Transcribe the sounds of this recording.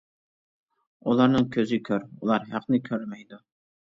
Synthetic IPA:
ulˠɑɾnɨŋkʲʰøzɪkʲʰøɾulˠɑɾɦæqnɨkʲʰøɾmɛjd̪u

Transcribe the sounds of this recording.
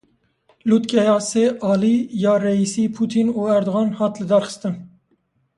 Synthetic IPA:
lut̪kʲɛjɑːseːʔɑːliːjɑːrɛisiːpʰuːt̪ʰinuːæɾd̪oɣɑːnhɑːt̪lɨd̪ɑɾxə̥st̪ɨn

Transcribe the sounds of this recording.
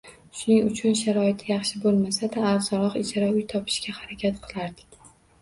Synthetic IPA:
ʃʊnɪŋʊt͡ʃʰʊnʃaɾɒɪt̪ʰɪjɑχʃɪbolˠmasad̪aːɾzɒɾɒqɪt͡ʃʰaɾaʊjt̪ʰɒpʰɪ̥ʃkʲahaɾakʲʰat̪qʰɨlˠaɾd̪ɪ̥kʲ

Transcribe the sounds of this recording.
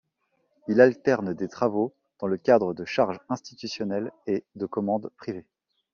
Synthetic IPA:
ilalt̪ɛʁnd̪et̪χavo | d̪̥ɑ̃ləkʲad̪ʁəd̪əʃaʁʒɛ̃st̪it̪ysjɔnɛled̪əkɔmɑ̃d̪pχive

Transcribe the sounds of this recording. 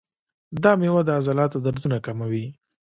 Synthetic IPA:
d̪ɑmewad̪əazɑlɑt̪od̪aɾd̪unakamawi

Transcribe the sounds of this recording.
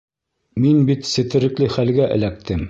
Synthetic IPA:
minbit̪sɘ̆t̪ɘ̆ɾɘ̆klɘχælɡæʔɘ̰̆læk̚t̪ʰɘm

